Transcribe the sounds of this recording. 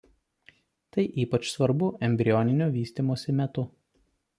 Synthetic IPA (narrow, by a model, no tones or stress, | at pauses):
t̪ɐɪʔiːpɐt͡ʃsʋɐɾbʊʔɛmʲbʲɾʲɪjɔnʲɪnʲoːʋʲiːsʲt̪ʲiːmoɔsʲɪmʲɛt̪ʊ